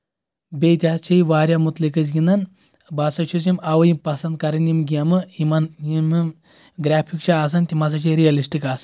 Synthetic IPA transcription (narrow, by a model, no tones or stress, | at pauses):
bet̪ʲiɦast͡ʃʰɐjʋaːɾʲjamut̪likɐs̬ɡʲind̪ɐn | basɐt͡ʃʰut͡ʃimɐʋɐjimpɐsɐnd̪̚kɐɾɐnjimɡʲijɐmɨimɐnjimm | ɡɾaːpʰikt͡ʃʰaaːs̬ɐnʲt̪imɐs̬ɐt͡ʃʰiɾijɐlisʈikaːs